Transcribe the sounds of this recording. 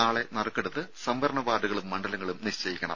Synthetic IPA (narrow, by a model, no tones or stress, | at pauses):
aːɭe̞nɐrkːeɽut̪ːɨsɐmʋɐɾɐɳɐbaːɖuɣɐɭumːɐɳɖɐlɐŋːɐɭumniɕt͡ɕɐjikʲːɐɳɐ̰m